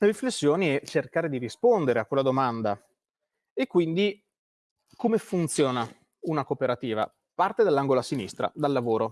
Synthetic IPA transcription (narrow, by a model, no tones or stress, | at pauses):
riflesːjoːniɛt͡ʃerkaːɾed̪iɾispond̪eɾeakːwelːad̪omand̪a | ekːwind̪i | komefunt̪sjoːna | unakopeɾat̪iːva̰ | part̪ed̪alːaŋɡolasinḭst̪ɾa̰d̪alːavoːɾo